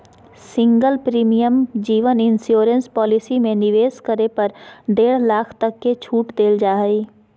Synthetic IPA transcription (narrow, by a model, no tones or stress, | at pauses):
sɪ̃ŋɡəlpɾiːmijəmd͡ʒiːʋənɪnsjoːɾə̃nspɔːlɪsimẽnɪʋeːskəɾepɐɾd̪eːɽlaːkʰt̪ɐkːet͡ʃʰuːʈd̪eːld͡ʒaːɦəiː